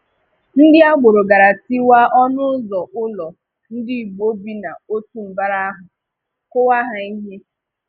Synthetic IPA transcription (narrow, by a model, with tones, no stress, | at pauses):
n̩˦dɪ˦a˦ɡ͡bʊ˨ɾo˨ɡa˨ɾa˨ti˦wa˦ɔ˦nʊ˦zɔ˨ʔʊ˦lɔ˨ | n̩˦dɪ˦˨ɡ͡bo˦bi˦na˨o˦tu˦m̩˨ba˦ɾa˦ɦʊ˨ | kʊ˦wa˦ɦa˨i˦ɦe˦